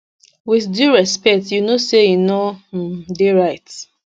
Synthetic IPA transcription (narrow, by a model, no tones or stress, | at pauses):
wiθdjuɹɛspɛk̚tjunosejinɔdeɹaɪt